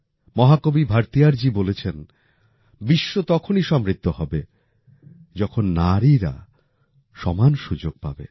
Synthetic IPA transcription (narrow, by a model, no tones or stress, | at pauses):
mɔɦakobibʱaɾt̪ijaɾd͡ʑibolet͡ɕʰen | biʃːot̪ɔkʰoniʃɔmɾit̪ːohɔbe | d͡ʑɔkʰonːaɾiɾa̰ | ʃɔmanʃud͡ʑoɡ̚pa̰bḛ